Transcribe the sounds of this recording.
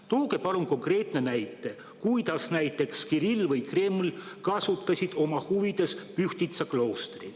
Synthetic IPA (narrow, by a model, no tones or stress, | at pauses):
t̪uːke̞pɑluŋko̞ŋkre̞ːt̪ne̞næjt̪ːˑe̞ | kujd̪ɑsnæjt̪ːˑe̞kskiɾilːvɯjkre̞ːmlkɑsut̪ːˑɑsʲid̪̥o̞mɑhuvid̪e̞spyht̪it̪sɑkloːst̪ri